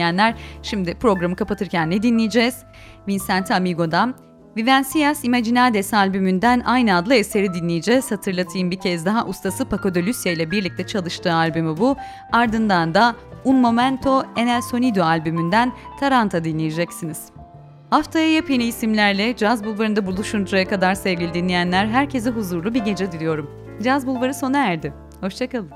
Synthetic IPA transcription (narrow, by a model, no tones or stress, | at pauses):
ijænlʲæɾ̥ʃimd̪ɪpɾo̞ɡɾamɯkʰapat̪ʰɯɾcʰænːed̪inlʲijed͡ʒɛz̥ | vinsænt̪ʰamiɡo̞d̪an | vivænsijasimad͡ʒinad̪esalʲbymynd̪ænajnɯad̪lˠɯe̞se̞ɾid̪inlʲijed͡ʒɛz̥hat̪ʰɯɾlˠat̪ʰɯjɯmbicʰɛzd̪aɦaʔust̪ʰasɯpʰako̞d̪olʲysjailʲɛbiɾlʲic̚t̪ʰɛt͡ʃʰalˠɯʃt̪ʰɯːalʲbymibu | aɾd̪ɯnd̪and̪aunmo̞mænt̪ʰo̞e̞nælʲso̞nid̪oalʲbymynd̪ænt̪ʰaɾant̪ʰad̪inlʲijed͡ʒɛcsiniz̥ | haft̪ʰajajapjeniːsimlʲæɾlʲɛd͡ʒazbulˠvaɾɯnd̪abulˠuʃund͡ʒuɾajakad̪aɾsɛvɟʲilʲid̪inʲijænlʲæɾɦæɾcʰe̞zɛɦuzuɾlˠubiɟe̞d͡ʒɛd̪ilʲijo̞ɾum | d͡ʒazbulˠvaɾɯso̞naæɾd̪ɪ | ho̞ʃt͡ʃʰakalˠɯm